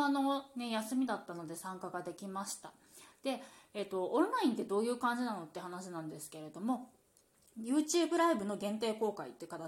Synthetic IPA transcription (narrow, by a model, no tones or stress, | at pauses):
anone̞jasɨmʲid̪at̪ːano̞d̪e̞sãŋkaɡad̪e̞kʲimaɕi̥t̪a | d̪̥e̞et̪ːo̞õnɾaĩnt̪̬ːe̞d̪o̞ːjɯ̟ːkãɲ̟d͡ʑinano̞t̪ːe̟hanaɕinãnd̪e̞sɨ̥ke̞ɾe̞d̪o̞mo̞ | jɯːt͡ɕɨːbɯ̟ɾaibɯ̟no̞ɡẽ̞nt̪eːko̞ːkaḭt̪ːeɯ̟kat̪a